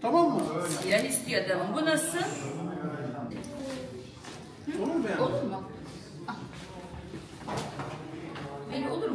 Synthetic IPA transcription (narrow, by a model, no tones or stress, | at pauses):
t̪ʰamamːɯjaːniʃt̪ijad̪amɯmbunasɯ | ioluɾmɯjaolˠuɾma | a | eolˠuɾ